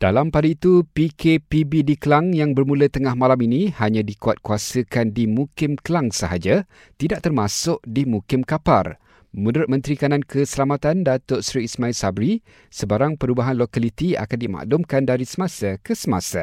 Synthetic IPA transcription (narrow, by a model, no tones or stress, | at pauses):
d̥a̰lampadait̪upikepibidikəlaŋjaŋbərmulət̪əŋahmalaminĩhaɲãdikuat̪̚kuasəkandimukɪmkəlaŋsəɦad͡ʒa | t̪idaʔ̚t̪ərmãsʊʔ̚dimukɪmkapa̰r | mũndɾʊt̪̚mə̃nt̪ɾikanankəsəlamat̪andat̪ʊʔsɾiːsmãɪlsabɾi | səbaɾaŋpəɾubaɦanlokalit̪ia̰kandima̰ʔlʊmkandaɾisəmãsakəsəma̰sa̰